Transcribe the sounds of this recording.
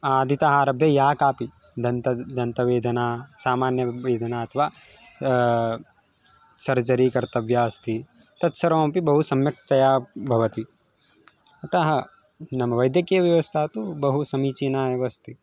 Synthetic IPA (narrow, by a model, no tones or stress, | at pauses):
aːd̪ʱit̪aɦaːɾɐbʱjɐjaːkaːpi | d̪ʱɐnt̪ɐd̪ʱɐnt̪ɐʋeːd̪ʱɐnaːsaːmaːnjɐʋeːd̪ʱɐnaːɐt̪ʰɐʋaː | sɐɾd͡ʒɐɾikɐɾt̪ɐʋjaːɐst̪i | t̪ɐt̪sɐɾɐʋmpibɐɦusɐmjɐk̚t̪ɐjaːbʱɐʋɐt̪i | ɐt̪ɐɦɐ | nɐmɐʋɐjd̪jɐkijɐʋjɐʋɐst̪ʰaːt̪ubɐɦusɐmiːt͡ʃinaːjɐʋɐst̪i